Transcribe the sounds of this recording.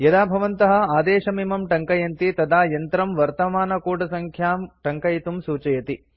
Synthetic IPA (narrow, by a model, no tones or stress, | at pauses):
jɐd̪aːbʱɐʋɐnt̪ɐɦɐ̆aːd̪eːʃɐmimɐmʈɐŋkɐjɐnt̪it̪ɐd̪aːjɐnt̪ɾɐmʋɐɾt̪ɐmaːnɐkuːʈɐsɐŋkʰjaːmʈɐŋkɐjt̪umsuːt͡ʃɐjɐt̪i